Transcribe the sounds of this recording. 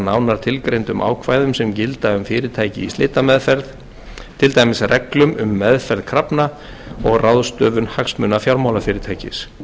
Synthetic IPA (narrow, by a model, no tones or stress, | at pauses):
naːwnaɾ̥t̪ʰɪlkɾejnt̪ʏmʔa̰ːwkʰvaːjðʏmsɛmcɪlt̪aʏmfɪːɾɪɾt̪ʰaːjcɪ̰ist̪eːt̪amɛðfɛɾð | t̪ʰɪlt̪aːjmɪsrʔɛklʏmʏmːɛðfɛɾðkʰɾapna | ɔɣraðst̪œːvʏnhaksmʏnafjawɾmawlafɪːɾɪɾt̪ʰaːjcɪ̰s